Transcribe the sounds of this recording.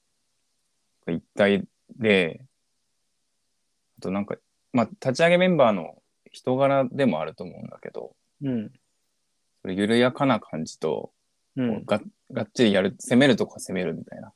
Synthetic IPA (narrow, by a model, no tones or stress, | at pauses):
nnãŋkait̪ːai | d̪e̞ | at̪o̞nãŋka̰ | mat̪at͡ɕiaɡe̞mẽ̞mbaːno̞̰ | çi̥t̪o̞ɡaɾad̪e̞mo̞a̰ɾɯ̟t̪o̞ːmo̞̰ɯ̟̃nd̪ake̞d̪o̞̰ | soɾejɯ̟ɾɯ̟jakanakʰãɲ̟d͡ʑi̥t̪o̞̰ | ko̰ɡa | ɡaɕid̪ejaɾɯ̟se̞me̞ɾɯ̟t̪o̞kase̞me̞ɾɯ̟mʲit̪aina